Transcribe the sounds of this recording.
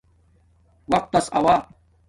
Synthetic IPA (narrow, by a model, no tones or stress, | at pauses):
wɐq̚t̪ːɐsɐ̰waː